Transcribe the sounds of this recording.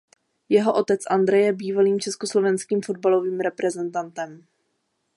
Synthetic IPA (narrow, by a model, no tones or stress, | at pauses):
jɛɦo̞ʔo̞t̪ɛt͡sʔand̪ɾɛjɛbiːvaliːmt͡ʃɛskoslo̞vɛnskiːmfo̞d̪̚balo̞viːmɾɛpɾɛzɛnt̪ant̪ɛm